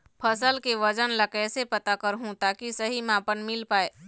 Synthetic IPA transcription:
pʰəsəlkeʋɐd͡ʒənləkɛːsepɐt̪akɐɾɦũt̪aːkisɐɦimãːpənmɪlpaːeː

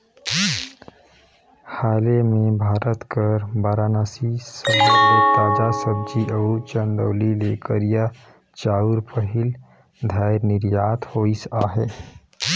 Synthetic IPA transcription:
haːlemẽbʱaːɾət̪kəɾbaːɾaːnasisəbbet̪aːd͡ʒasəb̚d͡ʒiʔəut͡ʃənd̪oːlilekəɾija | t͡ʃaːuɾpəɦɪl | d̪ʱaɪɾnɪɾjaːt̪hoːisaːɦɛː

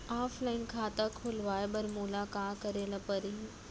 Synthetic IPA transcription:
aːfʰlaːɪnkʰaːt̪akʰʊlʋaːebɐɾmuːlakaːkɐɾeːlapɐɾiː

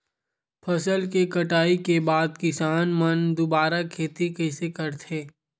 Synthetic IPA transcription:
pʰɐsəlkekɐʈaːikebaːd̪kɪsaːnmənd̪ʊbaːɾakʰeːt̪ikɐɪsekɐɾt̪ʰeː

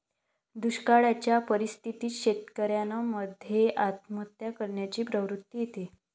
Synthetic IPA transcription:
d̪uɕkaɭat͡ɕjapəɾist̪ʰit̪iːɕet̪kəɾjanəməd̪ʱjeʔat̪mət̪jakəɾɳjat͡ɕiːpɾəʋɾut̪ːijet̪e

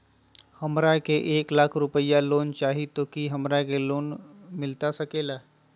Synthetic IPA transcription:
hɐmɾakeʔeːklaːkʰɾʊpəjːaloːnt͡ʃaːɦit̪oːkiɦɐmɾakeloːnmɪlt̪asɐkeːlaː

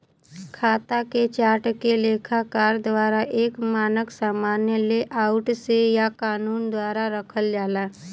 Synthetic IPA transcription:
kʰat̪aket͡ʃaʈkelekʰakaɾd̪ʋaɾaʔekmanəksamanjəleʔauʈsejakanuːnd̪ʋaɾaɾəkʰəld͡ʒala

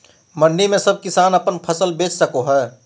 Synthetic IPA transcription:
mɐnːimẽsɐb̚kɪsaːnɐpənpʰəɐsəlbeːt͡ʃsəkoɦɛː

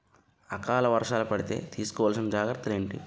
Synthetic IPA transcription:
ɐkaːlɐʋɐɾʂaːlupɐɽit̪e̞̰ːt̪ʰiːsu̥kɔʋaːls̬inɐd͡ʒaːɡɾɐt̪ːule̞ːɳʈḭ

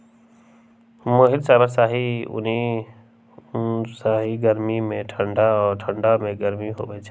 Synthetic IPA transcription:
moːɦɪlsaːbəɾsaːɦiːʊ̰ni | saːɦiːɡəɾmimẽʈʰəɳɖaːʈʰəɳɖaːmẽːɡəɾmiɦo̰ːʋeːt͡ʃʰː

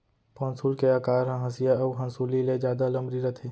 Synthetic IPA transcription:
pɔ̃ːnsulkeaːkaːɾɦãɦɐ̃sijaɐwɦɐ̃nsuːliled͡ʒjaːd̪alɐmbɾiɾɐt̪ʰeː

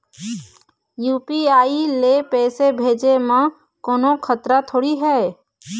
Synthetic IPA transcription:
juːpiaːilepɛːsebʱeːd͡ʒemã | koːnokʰət̪ɾat̪ʰoːɽiɦɛː

